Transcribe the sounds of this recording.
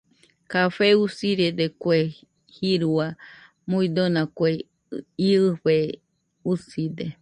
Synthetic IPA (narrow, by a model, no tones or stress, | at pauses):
kafeusiɾed̪ekʷe | hiɾua | muid̪onãkʷe | iɨɸe | usid̪e